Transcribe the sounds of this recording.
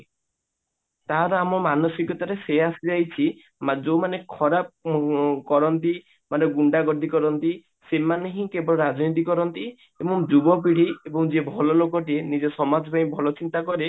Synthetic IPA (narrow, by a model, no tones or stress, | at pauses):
t̪aɦaɾɔamɔmanɔsikɔt̪aɾeseasid͡ʒajt͡ʃʰi | mad͡ʒomanekʰɔɾap̚ | kɔɾɔnt̪i | maneɡuɳɖaɡɔd̪ʱikɔɾɔnt̪i | semaneɦĩkebɔɭɔɾad͡ʒnit̪̬ikɔɾɔnt̪i | ebɔŋd͡ʒubɔp̬iɽ̤iebɔŋd͡ʒebʱɔlɔlokɔʈienid͡ʒɔsɔmad͡ʒpaĩbʱɔlɔt͡ʃint̪akɔɾe